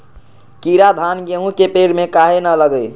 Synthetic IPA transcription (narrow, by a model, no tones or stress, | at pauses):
kiɾad̪ʱanɡeɦũkepeɽmekaɦenələɡəj